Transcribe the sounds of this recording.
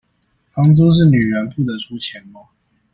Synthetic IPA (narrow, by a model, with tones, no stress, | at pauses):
fɑ˥ŋt͡su˥ʂ̬ɻ̩˥˩ny˨˩ɻə˨˦nfu˥˩tə˧˦ʈ͡ʂʰu˥t͡ɕʰjɛ˨˦nma˧˦